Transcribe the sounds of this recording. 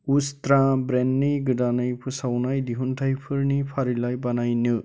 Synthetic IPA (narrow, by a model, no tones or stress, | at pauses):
ustɾãbɾenːɯjɡɯdanɯjpʰɯsawnajdiɦuntʰajpʰɯɾnipʰaɾilajbanajnɯ